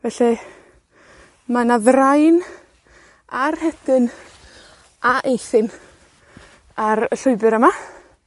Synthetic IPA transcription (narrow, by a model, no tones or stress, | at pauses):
vɛɬi | manaðrajn | arhɛd̥ɪn | aʔejθɪn | aɾəɬʊɨbɨɾəma